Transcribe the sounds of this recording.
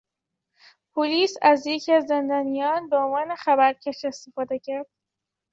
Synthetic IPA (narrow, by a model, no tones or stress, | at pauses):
pʰoliːsæzjecʰiæzːe̞nd̪ɒːnijɒːnbeonvɒːne̞xæβæɾcʰeʃest̪efɒːd̪e̞cʰæɾd̪̥